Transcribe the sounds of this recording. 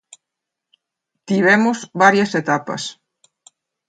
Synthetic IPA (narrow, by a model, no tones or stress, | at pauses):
t̪iβ̞ɛmʊzβaɾjɐset̪apɐ̰s